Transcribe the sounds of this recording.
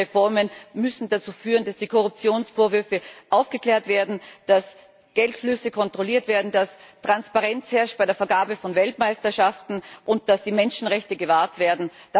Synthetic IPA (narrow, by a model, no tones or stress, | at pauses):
efɔɐmənmʏsn̩dat͡suːfyːʁənd̥asd̥iːkʰɔʁʊp̚t͡sjoːnsfoːɐvʏɐfəʔaʊfɡ̥əkl̥eːɐtv̥eːɐdn̩d̥as | ɡ̥ɛltflʏsəkʰɔntʁ̥oliːɐtv̥eːɐdn̩dastʁ̥anspaʁɛnt͡shɛɐʃt̚b̥aɪdeːɐfɐɡaːbəfɔnvɛltmaɪstɐʃaftn̩ʔʊnt̚d̥asd̥iːmɛnʃn̩ʁɛçtəɡəvaːɐtv̥eːɐdn̩d̥a